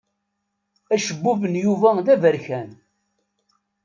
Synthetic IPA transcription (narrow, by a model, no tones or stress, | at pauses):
æʃəbːuvənjuvæðævəɾçæn